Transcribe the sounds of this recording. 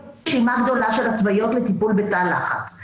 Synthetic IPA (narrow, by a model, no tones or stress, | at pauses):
ʃimaɡd̪o̞laʃe̞latvajo̞tlet̪ipulbetala̰χa̰t͡s